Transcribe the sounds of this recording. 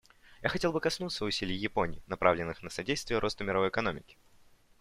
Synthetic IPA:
jaxɐtʲelˠbɨkɐsnut̪səʊsʲilʲɪjjɪpo̞nʲɪ̰ːnɐpɾʔavlʲɪnːɨxnəsɐdʲejst̪vʲɪjəɾo̞st̪əmʲɪɾɐvo̞jɪkɐno̞mʲɪkʲɪ̥

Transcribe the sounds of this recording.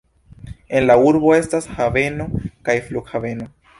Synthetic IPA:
e̞nlauɾbo̞e̞stashave̞no̞kajfluɡhave̞no̞

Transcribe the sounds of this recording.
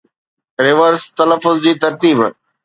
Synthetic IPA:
ɾɪʋəɾst̪ɐləfːʊzd͡ʑiːt̪ɐɾt̪iːb

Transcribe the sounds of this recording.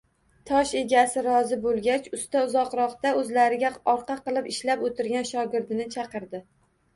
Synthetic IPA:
t̪ʰɒʃe̞ɡʲasɪɾɒzɪbolˠɡʲat͡ʃʊst̪aʊzɒqɾɒχt̪aɵzlaɾɪɡʲaɒɾqʰɑqɨlˠɪpɪʃlapot̪ɪɾɡʲanʃɒɡʲɪɾd̪ɪnɪt͡ʃʰɑqɨɾd̪ɪ

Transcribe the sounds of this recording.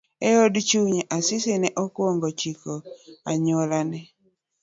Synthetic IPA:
ɛodt͡ʃuɲeʔasɪsenɛʔɔkwɔŋɡɔt͡ʃikoaɲolanɛ

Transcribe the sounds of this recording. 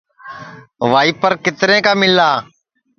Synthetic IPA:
ʋaːiːpəɾkɪt̪ɾẽːkaːmɪlaː

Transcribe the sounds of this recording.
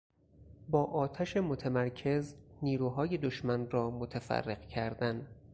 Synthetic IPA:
bɒːʔɒːt̪ʰæʃemot̪ʰæmæɾcʰe̞zniːɾuːɦɒːje̞d̪oʃmænrɒːmot̪ʰæfæ̰rːeɢcʰæɾd̪æn

